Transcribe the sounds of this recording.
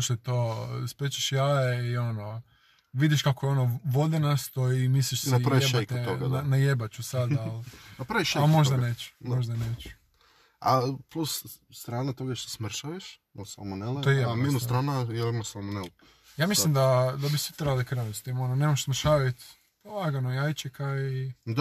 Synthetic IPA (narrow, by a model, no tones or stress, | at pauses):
ʃt̪ot̪ospɾet͡ʃeʃjaiono | ʋid̪jiʃkakojeo̞noʋo̞d̪ɛnast̪oimisliʃsnapɾaiebk̪oɡananajebat͡ɕusad̪alˠapɾaʋiʃaalmo̞ʒd̪aneːt͡ɕu̥moʒd̪aneːt͡ʃu̥ | a̰plusst̪ɾaːnat̪oɡaʃt̪e̥smɾ̩ʃaʋiʃ | nosalmoneleojeeminust̪ɾaːnajelimasalmonel | jaːmislˠimd̪ad̪abisʋit̪ɾebalikɾnanust̪imononeːmaʃsməɾ̩ʃaːʋaut̪ | olaɡanojajt͡ʃekaid̪